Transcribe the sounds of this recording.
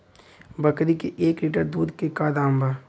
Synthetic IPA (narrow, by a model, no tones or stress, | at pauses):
bɐkɾikeʔeːkliːʈəɾd̪uːd̪kekaːd̪aːmbaː